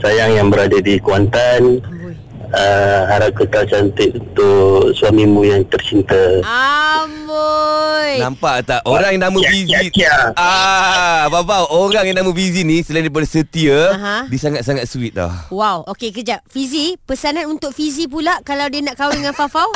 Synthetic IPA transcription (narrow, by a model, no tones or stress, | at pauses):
sajaŋjaŋbəɾadadikuant̪an | əɦaɾap̚kəkalt͡ʃant̪ɪt̪̚unt̪ʊʔsuamimũjaŋt̪ərt͡ʃint̪əambojnampaʔt̪aʔʔoɾaŋnamə̃fiziaa | bapawʔoɾaŋjanamə̃fizinĩsəlaindip̬adasət̪iəɦdiəsaŋat̪̚saŋat̪̚suit̪̚ɔ̰hwawokekəd͡ʒaʔfizipəsananunt̪ʊk̚fizip̬ulakalawdiənaʔkawiŋanfafaw